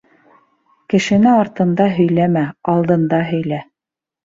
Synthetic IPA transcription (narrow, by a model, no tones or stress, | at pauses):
kɘ̆ʃɘ̆nɘɑɾt̪ɤ̆nd̪ɑɦɵ̆jlæmæɑlˠd̪ɤ̆nd̪ɑɦɵ̆jlæ